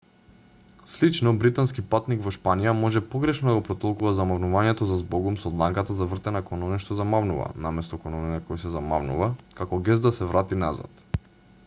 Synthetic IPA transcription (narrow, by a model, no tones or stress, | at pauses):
slit͡ʃnɔbɾit̪anskipat̪nikvɔʃpanijamɔʒɛpɔɡɾɛʃnɔd̪aɡopɾɔt̪ɔlˠkuvazamavnuvaɲɛt̪ɔzazbɔɡumsɔd̪lˠaŋkat̪azavr̩t̪ɛnakɔnɔnɛʃt̪ozamavnuva̰namɛst̪ɔkɔnɔninɛkɔjsɛzama̰vnṵvakakɔɡɛzd̪d̪asɛvɾat̪inaza̰t̪